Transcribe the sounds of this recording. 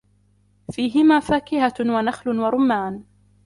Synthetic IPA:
fiːɦɪmaːfaːkɪhawanaxlʊwaɾˤʊmːaːn

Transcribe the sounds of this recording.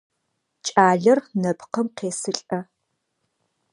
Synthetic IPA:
t͡ʃʼaːɮɐrnɐpqɐmqeːsɨɬʼɐ

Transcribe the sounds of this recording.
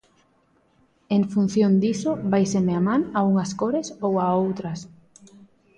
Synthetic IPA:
eŋfun̟θjond̪isoβajsemeamãnauŋɐskoɾesowaowt̪ɾɐs

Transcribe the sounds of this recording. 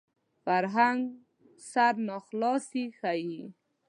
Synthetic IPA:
faɾɦaŋɡ | saɾnɑxlɑsixai

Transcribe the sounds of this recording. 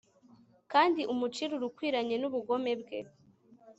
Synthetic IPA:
kaːndiʔumut͡ʃiɾuɾukwiːɾaɲe̞nuβuɡo̞me̞bɡe̞̰

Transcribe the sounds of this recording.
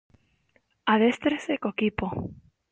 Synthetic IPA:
aðest̪ɾesekokipo

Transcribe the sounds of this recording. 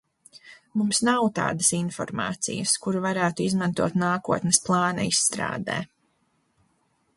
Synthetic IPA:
mumsnawt̪a̰ːd̪ɐsinfɔ̰ɾmɑ̰ːt̪sḭjɐskuɾvaɾæːt̪uizmãnt̪uɔt̪naːkuɔt̪nɛsplˠɑːnɐisːt̪ɾa̰ːd̪ɛ̰ː

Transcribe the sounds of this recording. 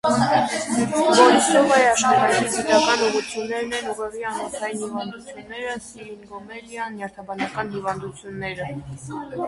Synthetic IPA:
vɔɾisɔʁɑjɑʃχɑt̪ɑkiɡit̪ɑkɑnuʁut͡sʰjunːɛɾnɛnuʁɛʁjɑnhɔk̪ʰɑjinhivɑnd̪ut͡sʰjunːɛɾəsiɾinɡɔmɛljɑnːjɑɾt̪ʰɑbɑnɑkɑnhivɑnd̪ut͡sʰjunːɛɾə

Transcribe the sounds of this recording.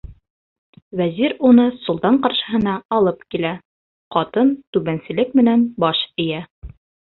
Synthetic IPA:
wæziɾunɤsŭlˠt̪ɑɴqɑɾʃɤ̆ɦɤ̆nɑːlˠɤpkilæ | qɑt̪ɤnt̪ʉβænsɘ̆lɘk̚mɘ̆nænbɑʃɘ̆jæ

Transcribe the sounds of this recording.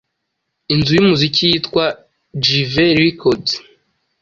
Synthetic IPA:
inzujumuzikʰijitkwa | d͡ʒiveɾikʰod

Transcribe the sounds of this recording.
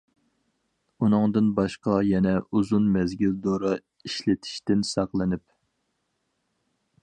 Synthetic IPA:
unɨŋd̪ɨnbɑʃqɑjɛnɛuzunmɛzɡʲild̪oɾɑ | iʃlɪt̪ʰi̥ʃt̪ɪnsɑqlˠɨnɪp

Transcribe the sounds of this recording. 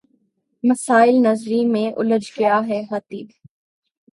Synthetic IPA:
mɐsaːɪlnɐzɾimẽʔʊ̰ləd͡ʒkjaːɦɛɦɐt̪iːd̪

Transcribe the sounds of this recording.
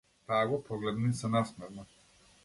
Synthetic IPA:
t̪aɡɔpʰɔɡlɛd̪nisanasmɛɾnɔ

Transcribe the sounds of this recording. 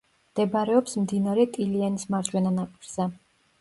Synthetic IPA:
md̪̥ɛbɾɛɔpsmd̪inaɾɛt̪ʼilianismaɾd͡ʒʼwɛnanapʼiɾz̥ɛ

